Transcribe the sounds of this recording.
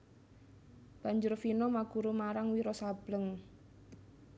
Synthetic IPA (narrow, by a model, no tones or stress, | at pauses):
b̥a̤ɲd͡ʒʊrfinɔmaɡ̥uɾumaɾaŋwiɾɔsab̥ləŋ